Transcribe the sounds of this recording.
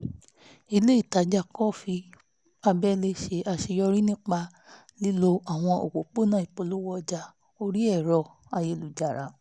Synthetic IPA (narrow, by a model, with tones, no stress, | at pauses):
i˧le˦i˦˨ta˨˦d͡ʒa˧kɔ˦fi˧ | a˧bɛ˦le˧ʃe˧ʔa˧ʃe˧jɔ˧ɾi˦nĩ˦k͡pa˧ | li˦lo˧a˨w̃ɔ̃˧o̰˨k͡po˨k͡po˦˨nãː˦˨i˨k͡po˨˧˨lo˦wɔ˧d͡ʒa˧ | o˧ɾi˦ɛ˦˨ɾɔ˧ | a˧je˧˨lu˨d͡ʒa˨ɾa˨˧˦